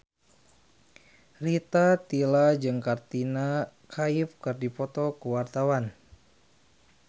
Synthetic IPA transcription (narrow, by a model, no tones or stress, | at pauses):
rit̪at̪ilad͡ʒɨŋkart̪ina | kʰaifkɨrdipɔt̪ɔkəwart̪awan